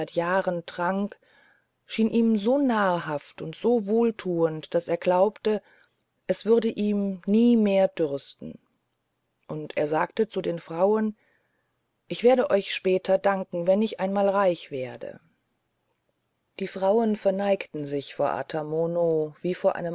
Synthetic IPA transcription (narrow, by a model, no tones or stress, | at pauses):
ɪtjaːʁəntʁ̥aŋk | ʃiːnʔiːmzoːnaːɐhaftʊntz̥oːvoːltʰuːəntd̥aseːɐɡlaʊptə | ʔɛsv̥ʏʁɐdəʔiːmniːmeːɐdʏʁstn̩ | ʔʊntʔḛːɐzaːktət͡sudeːnfʁ̥aʊən | ʔɪçv̥eːɐɾəʔɔʏçʃpɛːtʰɐdaŋkŋ̩vɛnɪçʔaɪnmaːlʁaɪçv̥eːɐdə̰ | d̥iːfʁ̥aʊənfɛɐnaɪktn̩zɪçfoːɐʔa̰tʰamonov̥iːfoːɐʔa̰ɪnəm